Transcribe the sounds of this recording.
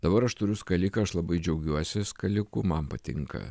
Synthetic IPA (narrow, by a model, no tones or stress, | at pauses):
d̪̥ɐbɐɾɐʃt̪ʊɾʲʊskɐlʲɪːkɐɐʃlˠɐbɐɪd͡ʒʲɛʊɡʲuɔsʲɪskɐlʲɪkʊmɐmpɐt̪ʲɪ̰ŋkɐ̰